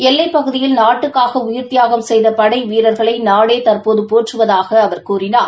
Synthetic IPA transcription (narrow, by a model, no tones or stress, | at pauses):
ɛlːɐɪpːɐɣɯðɪjɪlnaːʈːɯkːaːɣɐʊjɪɾt̪ɪjaːɣɐmsɛjðɐpɐɽɐɪʋiːɾɐɾɣɐɭɐɪnaːɽeːt̪ɐrpoːðɯpoːʈrɯʋɐðaːɣɐːʋɐɾkuːrɪnaːɾ